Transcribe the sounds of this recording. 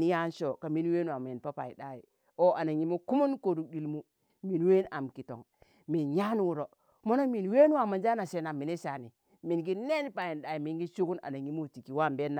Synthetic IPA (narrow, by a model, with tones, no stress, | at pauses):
ni˦ja˦nʃo˦˨ka˨mi˦n˦we˦n˦wa˨me˨npa˦pa̰˨i˨da˦ji˨ | o˦ʔa˨na˨ɲi˦mu˦ku˦mu˦nko˨ɾu˦di˦lmu˦ | mi˨n˨we˦na˨mki˨to̰˨ŋ | mi˨nja˦n˦wu˨ɾo˨ | mo˦no˦mi˨n˦we˦n˦wa˨ma˨nd͡ʒa˦na˨se˨na˨mi˨ne˦ʃa˨ni˨ | mi˨nɡi˦ne˦n˦pa˨ji˨nɗa˨ji˨mi˨nɡi˦ʃu˦ku˦na̰˨na˨ɲi˦mu˦˨ti˨ki˨wa˦˨mbe˦nːa˨˦